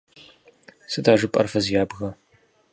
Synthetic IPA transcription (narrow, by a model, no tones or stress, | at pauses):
sɨdaːʒɨpʼɐ̰rfɐzjaːbɣɐ